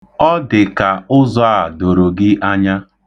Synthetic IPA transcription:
ɔ˦dɪ˨ka˨ʊ˦zɔ˦a˦˨do˨ɾo˨ɡɪ˦ʔa˦ɲa˦

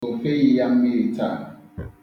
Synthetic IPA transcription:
o˨fe˦ji˦ja˦m̩˦mi˦ɾi˨tʰa̰˦˨

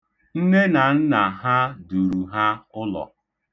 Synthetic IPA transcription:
n̩˦ne˦na˨n̩˦na˨ɦa˦du˨ɾu˨ɦa˦ʊ˦lɔ̰˨

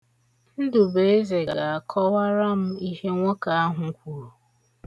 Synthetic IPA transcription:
n̩˦dʊ˨be˨˦e˦ze˨ɡa˨ɡa˨a˨kʰɔ˦wa˦ɾa˦m̩˦i˦ɦe˦ŋʷo˦ka˨a˦ɦʊ˨ŋ̩˦kʷu˨ɾu˨

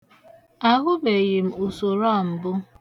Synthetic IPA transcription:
a˦ɣʊ˦be˨je˨m̩˦˨o˨so˨ɾɔ˦˨m̩˨bʊ˦

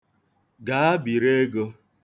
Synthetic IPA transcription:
ɡa˨˦a˦bi˨ɾe˦ɡo˦

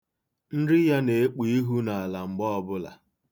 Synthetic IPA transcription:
n̩˦dɪ˦ja˦ne˨e˦k͡pi˦i˦ɦu˦na˨a˨la˨ŋ͡m̩˨ɡ͡bɔ˦ɔ˦bʊ˦la̰˨

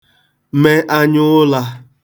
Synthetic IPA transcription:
me˦ʔa˦ɲʊ˦la˧

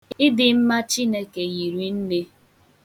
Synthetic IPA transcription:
ɪ˦dɪ˨m̩˦ma˦t͡ʃi˦ne˦ke˨ɣi˨ɾi˨n̩˦ne˦

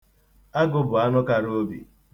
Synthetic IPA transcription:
a˦ɡʊ˦bʊ˨a˦nʊ˦ka˦ɾo˦bḭ˨

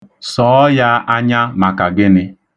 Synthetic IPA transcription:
sɔː˨˦ja˦ʔa˦ɲa˦ma˨ka˨ɡɪ˦nɪ˦

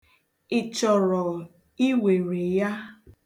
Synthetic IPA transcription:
ɪ˨t͡ʃɔ˨ɾɔ˨ | i˦we˨ɾe˨ja˦

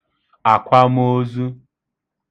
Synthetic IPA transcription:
a˨kʷa˦m˦o˦zu˦

